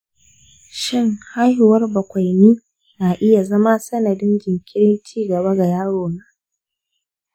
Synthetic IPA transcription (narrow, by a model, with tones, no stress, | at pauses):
ʃɪ˦ŋha˦jhʊ˨wɐ˦rbɐ˨kʷa˨jniː˦ | naː˨ʔɪ˦ja˨zɐ˦ma˦sɐ˦nɐ˨dɪ˦nd͡ʒɪ˨ŋkʲɪ˦ɽɪ˦nt͡ʃiː˦ɡɐ˨ba˦ɡa˨jaː˦ɽoː˨naː˨